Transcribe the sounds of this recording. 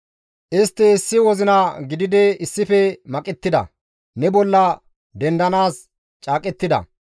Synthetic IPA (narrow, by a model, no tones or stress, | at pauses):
ʔɪst̪ːɪːsːɪwɔzɪnɐɡɪd̪ɪd̪ɛɪsːɪfɛmɐkʼɛt̪ːɪd̪ɐ̰ | nɛbɔlːɐ | d̪ɛnd̪ɐnaːs | t͡ʃʼaːkʼɛt̪ːɪd̪ɐ̰